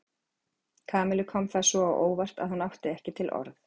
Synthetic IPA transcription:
kʰaːmɪlʏkʰɔmθḁsɔawʔoːwvar̥t̪a̰ðhanawht̪ɪɛhcɪt̪ʰɪlʔɔ̰ɾθ

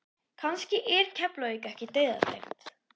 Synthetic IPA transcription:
kʰanscɪʔɛɾ̥cʰɛplœikɛhcɪt̪eːjða̰t̪ḛxt̪

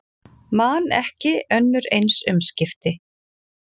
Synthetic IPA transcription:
manɛhcɪœnːʏɾejnsʏmscɪft̪ɪ

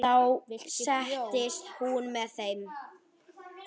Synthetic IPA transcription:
awsɛht̪ɪst̪hunmɛðθejm

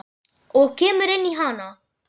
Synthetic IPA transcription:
okeməɾeniɦaːna

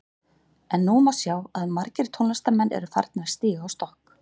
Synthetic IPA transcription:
ɛnːumawsjaːwaðmaɾcɪɾt̪ʰownast̪amɛnːʔɛ̰ɾʏfa̰ɾt̪nḁst̪iːɣaawst̪ɔhk

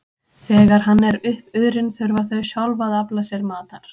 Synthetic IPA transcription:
θɛːɣaɾ̥ɦanːɛɾʏhpʏðɾɪnθœɾvaθœɥsjawlvaðaplasjɛɾmaːt̪aɾ̥

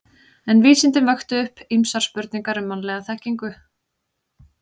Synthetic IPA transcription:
ɛnviːsɪnt̪ɪnvaxt̪ʏʏhpimsaɾ̥spœɾt̪niŋkaɾʏmːanlɛɣaθɛhcːiŋkʏ

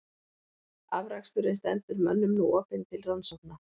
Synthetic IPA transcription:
avɾakst̪ʏɾɪnst̪ɛnt̪ʏɾmœnːʏmnuɔːpɪnt̪ʰɪlrawnsɔwk̚na

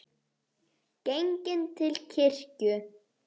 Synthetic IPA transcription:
ceŋcɪnt̪ʰɪlcʰɪr̥cʏ

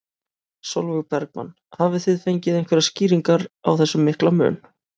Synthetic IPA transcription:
solvʏɣpɛɾk̚ma̰nː | havɪθɪðfejɲcɪðejŋkvɛɾasciːɾiŋkaɾa̰wθɛsːʏmːɪhklamʏ̰ːn

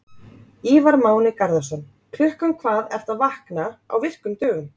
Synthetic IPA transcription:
iːvaɾmaːwnɪkaɾðḁsœn | kʰlʏhkʏmkʰvaːðɛɾ̥t̪avahknaa̰wvɪr̥kʏmt̪œːɣʏm

